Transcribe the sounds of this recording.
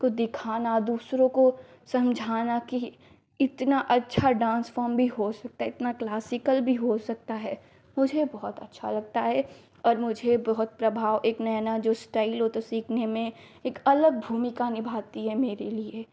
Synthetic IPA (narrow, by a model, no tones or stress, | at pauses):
kod̪ɪkʰaːnad̪uːsɾõko | sɐ̃md͡ʒʱaːnaki | ɪt̪naʔɐtːʃʰaɖãːnsfɔːɾmbʱiɦosɐk̚t̪aɦɛɪt̪naklaːsɪkəlbʱiɦosɐk̚t̪aɦɛː | mʊd͡ʒʱebɔɦʊt̪ɐ̰tːʃʰa̰lɐɡ̚t̪aɦɛ | ɔːɾmʊd͡ʒʱebɔɦʊt̪̚pɾɐbʱaːʋʔeːknɐjnad͡ʒoːsʈaːɪlɦot̪osiːkʰnemẽeːkɐləɡ̚bʱuːmɪkanɪbʱaːt̪iɦɛmeːɾelie